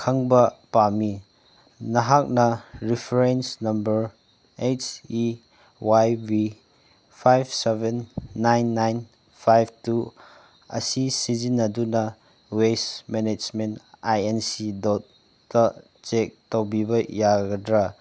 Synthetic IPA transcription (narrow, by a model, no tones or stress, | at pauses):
kʰɐŋbɐpami | nɐɦak̚nɐɾipʰɾensnɐmbɐɾ | et͡ʃi | wajbi | pʰajbsebenːajnːajn | pʰajb̚ʱtu | ɐ̰sisizinːɐdunɐ | wesmened͡ʒmentajensidɔt̚ː | ɐ | t͡ʃek̚towbibɐjaɡɐdɾa